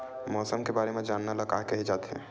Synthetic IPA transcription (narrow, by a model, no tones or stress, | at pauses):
mɔːsəmkebaːɾemẽd͡ʒaːnːaləɡa̰ːɦkəɦid͡ʒaːt̪ɦɛ̰̃ː